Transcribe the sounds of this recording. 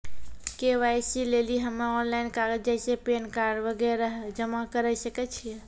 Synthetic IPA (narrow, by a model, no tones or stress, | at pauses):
keʋajsileliɦəmaɔnlajnkaɡəd͡ʒasepenkaɾɖʋəɡɛɾəɦɛd͡ʒəmakəɾɛsəkɛt͡ʃʰijɛ